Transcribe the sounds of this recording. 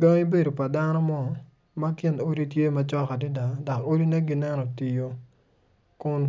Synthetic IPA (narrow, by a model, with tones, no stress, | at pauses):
ɡɔ˦ŋi˦be˦do˨pa˨da˦nɔ˦mɔ˦ | ma˦kɪ˦no˦ɾi˦tje˦ma˨t͡ʃɔ˦ka˨dɪ˦da˨da˨ko˦di˦na˦ɡi˦nɛ˦nɔ˨ti˨jo˦ | kʊ˦n